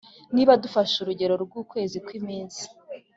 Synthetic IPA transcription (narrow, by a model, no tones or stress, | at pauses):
niːβadufaʃuɾuɟe̞ɾo̞ɾɡuːkwe̞ːzikwimiːnzi̥